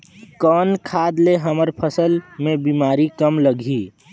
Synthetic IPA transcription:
kɔːnkʰaːd̪leɦəməɾpʰəsəlmẽbiːmaːɾikəmləɡʱiː

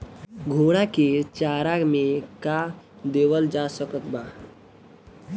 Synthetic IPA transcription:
ɡʱoːɽ̃aket͡ʃaːɾaɡmẽka | d̪eːwəld͡ʒasəkət̪baː

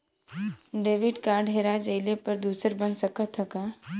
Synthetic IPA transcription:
ɖeːʋɪɖkaːɾɖɦeːɾad͡ʒəɪlepɐɾd̪uːsəɾbənsəkət̪ʰːəka

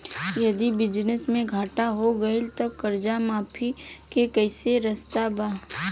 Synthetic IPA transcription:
jɐd̪ibɪd͡ʒnɪsmẽɡʱaːʈaɦoɡɐelt̪okɐɾd͡ʒamaːpʰikekɛːseɾɐst̪abaː

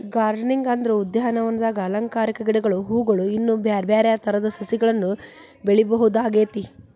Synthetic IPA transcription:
ɡaːɾɖɐniŋɡand̪ɐɾɐud̪ːjaɦɐnɐʋɐnːɐd̪aːɡɐːlɐŋkaːɾikɐɡiɽɛɡɐɭuɦuːɡɐɭuinːubaɾbaːɾɛjat̪ʰɐɾɐd̪ɐsɐsiɡɐɭɐnːu | beɭibɐɦud̪aːɡeːt̪i

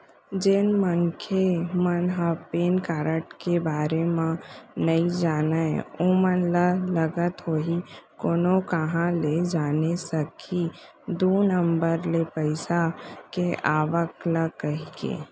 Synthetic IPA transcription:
d͡ʒenmənkʰemənɦəpeːnkaːɾəʈkebaːɾemãnəid͡ʒaːnaḛomənlələɡət̪ɦoːɦikoːnokəɦãled͡ʒaːnesəkʰi | d̪unəmbəɾlepəɪsakeʔaːʋəkləkəɦikḛː

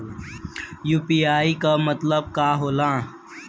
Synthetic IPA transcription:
juːpiːaːikamɐt̪ləb̚kaːɦoːlãː

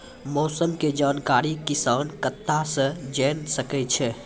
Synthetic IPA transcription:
mɔːsəmked͡ʒaːnkaːɾikisaːnkət̪ːasə̃d͡ʒɛnsəkɛt͡ʃʰɛ

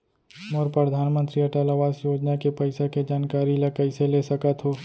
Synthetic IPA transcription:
mɔɾpɾəd̪ʱaːnmə̃nt̪ɾiɐʈalaʋaːsjoːd͡ʒnakepɐɪseked͡ʒaːnkaːɾilɐkəɪselesɐkət̪ɦoː

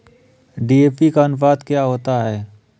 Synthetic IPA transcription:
ɖiːeːpikaənf̬aːt̪kjaɦoːt̪aɦɛː

